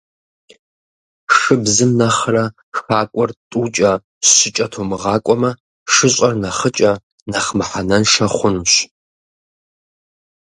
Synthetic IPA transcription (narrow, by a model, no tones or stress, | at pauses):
ʂɨbzɨmnɐχrɐ | xaːkʷʼɔrtʼuːt͡ʃʼɐ | ɕɪt͡ʃʼɐtʰoːmɨʁɑːkʷʼɔmɐ | ʂɨɕʼɐrnɐχət͡ʃʼɐ | nɐχmɨħanɐnʂɐχʷʊnuɕ